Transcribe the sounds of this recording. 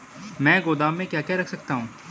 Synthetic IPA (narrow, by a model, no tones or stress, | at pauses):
mɛ̃ːɡoːd̪aːmːẽkjaːkɛɾɐkʰsɐk̚t̪aɦũː